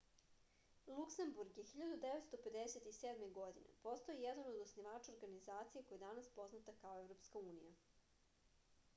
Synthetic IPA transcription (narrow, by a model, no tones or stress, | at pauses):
lˠuksembuɾɡjexiʎad̪ud̪eʋet̪st̪o̞pe̞d̪eset̪iseːd̪me̞ɡod̪inḛpost̪o̞ijɛd̪ano̞d̪osniʋaːt͡ʃaoɾɡanizaːt̪sijekojed̪anaspo̞znat̪akaoevɾo̞pskauːnija